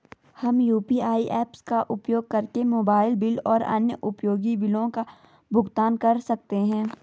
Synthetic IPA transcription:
hɐmjuːpiːaːiʔɛːpskaʔʊpjoːɡ̚kɐɾkemoːbaːɪlbɪlɔːɾɐ̰njəʔʊpjoːɡibɪlõka | bʱʊɡt̪aːnkɐɾsɐk̚t̪eɦɛ̃ː

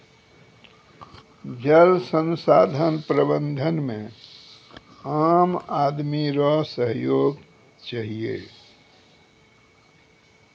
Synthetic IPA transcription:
d͡ʒəlsə̃nsaːd̪ʱənpɾəbə̃nd̪ʱənmẽ | amad̪miɾɔsəɦjoːɡ | t͡ʃaɦiḛ

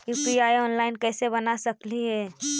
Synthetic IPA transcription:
juːpiaːiɔːnlaːɪnkɛːsebɐnasɐkliɦɛː

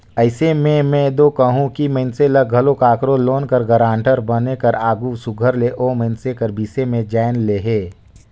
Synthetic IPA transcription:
əɪsemẽmɛ̃d̪okɐɦũkiməɪnseləɡʱɐlokaːkɾõloːnkəɾɡəɾãːɳʈəɾbənekɐɾaːɡusʊɡʱəɾleʔoːməɪnsekɐɾbiːsemẽd͡ʒaːɪnleːɦeː

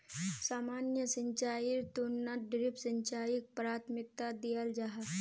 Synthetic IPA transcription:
samanjəsəɲt͡ʃaiɾt̪onːaɖɾipsəɲt͡ʃajik̚pɾat̪ʰmik̚t̪ad̪ijəld͡ʒaɦa

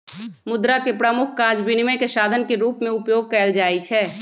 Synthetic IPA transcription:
mʊd̪ɾakepɾəmʊkʰkaːd͡ʒbɪnɪməkesaːd̪ʱənkeɾuːpmẽʊpjoːɡ̚kɛːld͡ʒaːit͡ʃʰɛː

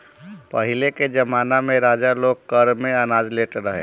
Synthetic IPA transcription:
pɐɦɪleked͡ʒɐmaːnamẽɾaːd͡ʒaloːɡ̚kəɾmẽɐnaːd͡ʒleːʈɾəɦḛ̃ː

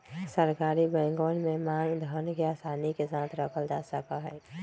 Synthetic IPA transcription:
səɾkaːɾibɛ̃ːŋɡoːnmẽmãːŋɡd̪ʱənkeaːsaːnikesaːt̪ʰɾəkʰəld͡ʒaːsəkaɦɛː

